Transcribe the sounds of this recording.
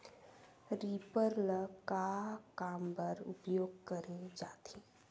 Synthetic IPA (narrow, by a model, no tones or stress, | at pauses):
ɾiːpəɾləkakaːmpəɾʊ̰pjoːɡkəɾed͡ʒaːt̪ʰiː